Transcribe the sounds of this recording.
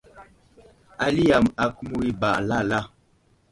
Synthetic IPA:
a˦li˦a˨ma˨ku˦mu˦i˦ba̰˨ʔla˦˨la˦˨

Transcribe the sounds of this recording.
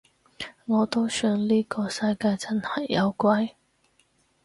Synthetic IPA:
ŋɔː˨˧t̪o˥wsœː˧ŋliː˥kɔː˧sɐ˧jkaː˧jt͡sɐ˥nhɐ˨˩jːɐ˨˧wkʷɐ˥j

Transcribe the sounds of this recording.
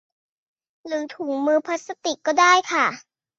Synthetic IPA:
ɾɯː˩˦t̪ʰu˩˦ŋmɯː˧pʰa˦˥t̪̚sa˧t̪i˨˩kːɔː˥˩daː˥˩jkʰa˥˩

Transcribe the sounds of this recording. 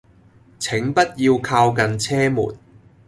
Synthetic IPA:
t͡sʰɪ˨˥ŋpɐ˥t̚jiː˧wkʰaː˧wkɐ˨nt͡sʰɛː˥mṵː˨˩t̚

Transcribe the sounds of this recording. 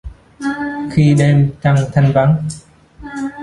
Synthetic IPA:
xi˧ɗe˧mt͡ɕa˧ŋt̪ʰa˧jŋva˨˦ŋ

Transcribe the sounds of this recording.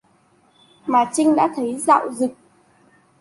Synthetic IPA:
maː˨˩t͡ɕï˧ŋɗa̰ː˧˥t̪ʰə˨˦jza̰ː˧˨wzɨ˨˩k̚

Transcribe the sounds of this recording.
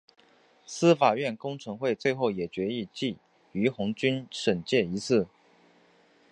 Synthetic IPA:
sɹ̩˥fa˨˩ɥɛ˥˩nkʊ˥ŋʈ͡ʂʰɤ˧˥ŋxwe˥˧ɪt͡swe˥˧ɪxo˥˩ʊjɛ˨˩t͡ɕɥɛ˧˥i˥˧t͡ɕi˥˩ | y˧˥xʊ˧˥ŋt͡ɕy˥nʂə˨˩nt͡ɕjɛ˥˩i˧˥t͡sʰɹ̩˥˩

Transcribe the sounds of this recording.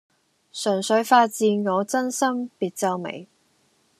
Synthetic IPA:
sœ˨˩nsɵ˨˥ɥfaː˧t̚t͡siː˧nŋɔː˨˧t͡sɐ˥nsɐ˥mpiː˧t̚t͡sɐ˥wmḛ˨˩j

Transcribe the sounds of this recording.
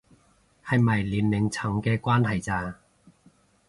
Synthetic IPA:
hɐ˨jmɐ˨˩jliː˨˥nlɪ˨˩˦ŋt͡sʰɐ˨˥ŋkɛː˧kwaː˥nhɐ˨jt͡saː˧

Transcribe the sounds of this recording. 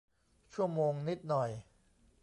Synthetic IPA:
t͡ɕʰu˥˩əmoː˧ŋni˦˥t̪̚nɔ˨˩j

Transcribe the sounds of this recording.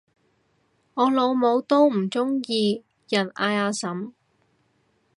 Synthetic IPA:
ŋɔː˨˧lo˨˧wmo˨˧wt̪o˥wm̩˨˩t͡sʊ˥ŋjiː˧ | jɐ˨˩naː˧jaː˨˧sɐ˨˥m

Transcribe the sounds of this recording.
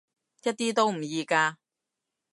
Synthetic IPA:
jɐ˥t̚t̪iː˥t̪o˥wm̩˨˩jiː˧kaː˧

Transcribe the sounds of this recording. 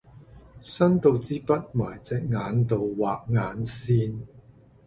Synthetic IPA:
sɐ˥nt̪o˨˧wt͡siː˥pɐ˥t̚maː˨˩jt͡sɛː˨k̚ŋaː˨˧˥nt̪o˨wwaː˨k̚ŋaː˨˥nsiː˥n

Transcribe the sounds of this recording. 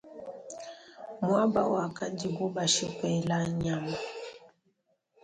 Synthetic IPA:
mwa˦ba̰˦˨wa˨ka˦d͡ʒi˨ɡu˦ba˨ʃi˦kwɛ˨la˦ɲa˨ma˨

